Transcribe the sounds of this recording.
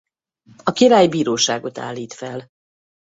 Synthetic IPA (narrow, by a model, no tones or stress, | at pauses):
ɒkiɾaːjbiːɾoːʃaːɡo̞t̪a̰ːlːiːt̪fɛl